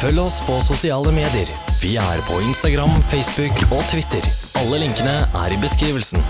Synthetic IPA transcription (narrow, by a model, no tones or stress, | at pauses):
fœlːɔspʰɔsʊsɪɑːləmeːd̪ɪəɾ | ʋɪæ̰ːɾpʰɔɪnst̪ɑɡɾɑmfɛɪsbʉkoːt̪ʰʋɪt̪əɾ | ɑlːəlɪŋkənəʔæ̰ɾɪbəskɾiːʋəlsn